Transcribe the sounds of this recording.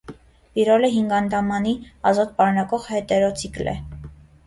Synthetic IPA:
piɾɔləɦiŋɡɑnd̪ɑmɑniɑzɑt̪̚pɑɾunɑkɔʁhɛt̪ɛɾɔt͡sʰiklɛ̰

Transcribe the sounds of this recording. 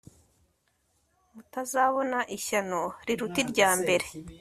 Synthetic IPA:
mutazaβo̞naʔiçano̞ɾiɾutiɾɟaːmbe̞ɾe̞

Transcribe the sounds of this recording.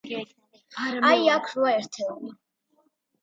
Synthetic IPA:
ajakʰɾuaɛɾt̪ʰɛ

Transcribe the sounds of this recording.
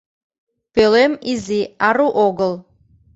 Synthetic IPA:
pelemiziaruʔoɡəl

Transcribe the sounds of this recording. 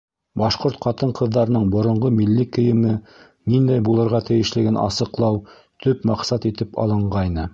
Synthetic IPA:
bɑʃqoɾt̪qʰɑt̪ɤɴqʰɤ̆ðːɑɾɤ̆nɤɴbŏɾŏɴʁomilːikɘ̆jɘ̆mɘ | nind̪æjbulˠɤ̆ɾʁɑt̪ɘ̆jɘ̆ʃlɘ̆ɡɘnʔɑ̰sɤ̆qlˠɑw | t̪ɵpmɑqsɑt̪it̪ɘpɑ̰lˠɤ̆ɴɢɑjnɤ

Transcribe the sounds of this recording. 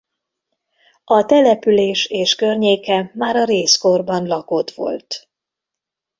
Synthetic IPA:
ɒt̪ɛlɛpyleːʃeːʃkørɲeːkɛmaːɾɒɾeːsko̞rbɒnlɒkot̪ʋo̞̰lt̪

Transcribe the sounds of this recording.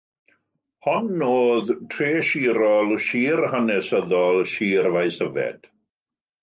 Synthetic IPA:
hɔnːoːðtʰreːʃiːɾɔlˠʃiːrhənɛsəðɔlˠʃiːrvajsəvɛ̰d̥

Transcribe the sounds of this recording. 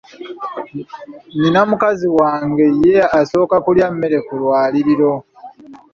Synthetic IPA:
ninamukaziwaːŋɡe̞jeaso̞ːkakuljamːe̞ɾe̞kulwaːliɾiɾo̞

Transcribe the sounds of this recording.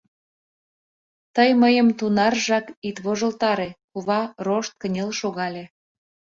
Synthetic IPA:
t̪əjməjəmt̪unɑrʒɑkit̪βoʒəlt̪ɑɾekuβɑroʃt̪̚kənʲelʃoɣɑlʲe

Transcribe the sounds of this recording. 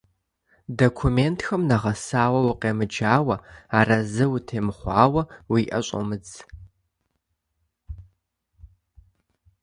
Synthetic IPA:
dokʷʰumeːntʰxɐmnaʁɐsaːwɐwʊqʼeːmɨd͡ʒaːwɐaːrɐzɨwutʰeːmɨχʷɑːwɐwiːʔɐ̰ɕʼo̰mɨd͡z

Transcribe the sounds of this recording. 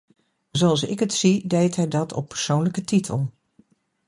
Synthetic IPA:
zoɑlˠsɪ̰kətsidejtɦɛjdɑtʰɔ̰pːəɹsownləkətitʰə̰lˠ

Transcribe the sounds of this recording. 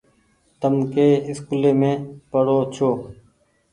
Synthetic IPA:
t̪əmkeːɪskuleːmẽːpəɽoːt͡ʃʰoːk

